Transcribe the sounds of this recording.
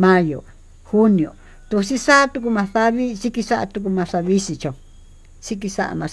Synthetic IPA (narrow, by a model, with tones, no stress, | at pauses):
mã˧jo̰˨ | hu˦nĩ˨õ̰˨ | t̪u˧si˦sa˦t̪u˧k̬u˧mã˧θa˦βi˦si˦ki˧sa˦ʔa̰˧t̪u˧k̬u˧mã˧ʂa˧βi˦si˧t͡ʃõ˨ | si˦k̬i˧sa̰˦ʔa̰˧mã˧